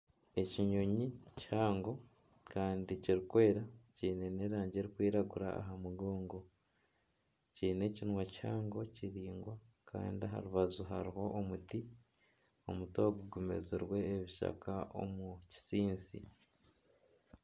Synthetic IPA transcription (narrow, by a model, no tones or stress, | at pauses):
e̞ciɲoɲichaːŋɡo̞ | kaːndiciɾikwe̞ːɾaciːne̞ne̞ːɾaːɲɟeɾikwiːɾaɡuɾa̰ːɦamuɡoːŋɡo̞ | ciːne̞cinwachaːŋɡo̞ciɾiːŋɡwa | kʰa̰ːndiɦa̰ɾuβazuɦa̰ɾiho̞ʔːmuti | o̞muto̞ːɡuɡume̞̰ziɾwe̞ːβiʃa̰kao̞̰muci̥siːnsḭ